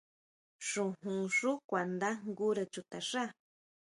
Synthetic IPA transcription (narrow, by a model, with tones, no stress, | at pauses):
ʂũ˧˨ɦũ˨ʂu˦kʷa˨nd̪a˦ŋɡu˦ɾa˧t͡ʃu˧t̪a˨ʂa˦˨